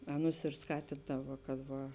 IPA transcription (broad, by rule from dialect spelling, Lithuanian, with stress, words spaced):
ˈɑːˌnʊs ɪr ˈskɑːtʲɪndɐʋɐ kɐt ˈʋɐ